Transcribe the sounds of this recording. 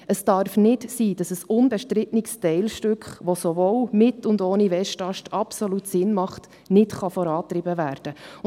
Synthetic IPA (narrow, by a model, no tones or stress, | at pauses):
əsd̥ɑɾfnɪtsiːdɑsəsʊnbɛʃtɾɪtnɪkstɛɪlʃtʏkχʋosovoːwmɪtʊndoːniʋɛʃtɑʃtɑpsolutsɪnmɑχt | nɪtχɑfɔɾɑːtɾɪbəvæːɾd̥ə